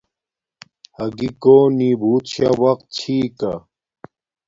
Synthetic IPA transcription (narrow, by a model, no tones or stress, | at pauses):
hɐɡikoːniːbʱuːt̪ɕawɐqt̪̚t͡ɕʰiːka